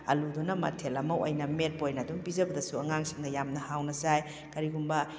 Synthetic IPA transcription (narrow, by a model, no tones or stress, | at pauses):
ɐ̰ludunɐmɐ̰tʰelɐmɐwʔɐjnɐmet̚pojnɐduŋpizɐbɐdɐsuɐŋaŋsi̥ŋnɐjamnɐhawnɐsaj | kɐɾiɡumbɐ